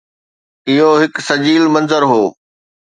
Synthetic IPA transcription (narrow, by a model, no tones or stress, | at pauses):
ɪɦoɦɪksɐd͡ʑiːlmɐ̃nzəɾɦoː